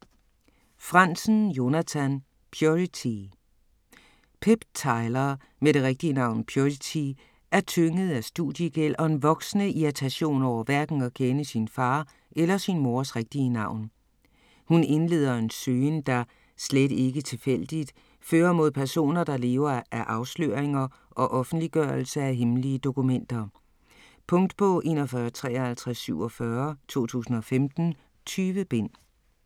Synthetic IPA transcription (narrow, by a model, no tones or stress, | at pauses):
fʁɑn̰sn̩jo̝næt͡sʰæn | pʰjoʁit͡sʰi | pʰeb̥t͡sʰɑ̈ɪlɐ | meɾ̥e̝ʁɛɡ̥̚d̥iənɑ̈ʊ̰npʰjoʁit͡sʰi | ʔæɐt͡sʰøŋəð̞̩ˠæsd̥uðˠjəɡ̥el̰ʔɒ̽e̝nʋɒ̽ɡ̥snəiæt͡sʰæɕo̝̰ːnɒʊ̰ɐʋæɐɡ̥n̩ɒ̽kʰenəsinfɑ̈ː | ʔelɐsinmo̝ɐsʁɛɡ̥̚d̥iənɑ̈ʊ̰n | hune̝nle̝̰ːð̰ˠɐe̝nsøːnd̥ɑ̈ | sled̥e̝ɡ̥ət͡sʰe̝fel̰d̥id̥ | føːɐmo̝ð̰ˠpʰæɐso̝̰ːnɐd̥ɑ̈le̝ːʊɐʔæɐʔɑ̈ʊslø̰ɐeŋɐ | ʔɒ̽ʔɒ̽fn̩d̥liɡ̥ɶɐl̩səæɦemliəd̥o̝kumen̰d̥ɐ | pʰɔ̽ŋ̰d̥pʰɒ̽ʔe̝ːnɒfɶɐt͡sʰʁɛ̰ːhælt͡sʰʁasːyʊ̰ɒfɶɐt͡sʰo̝̰ːt͡sʰṵːsn̩ɒ̽femd̥n̩ | t͡sʰyːʋəb̥e̝n̰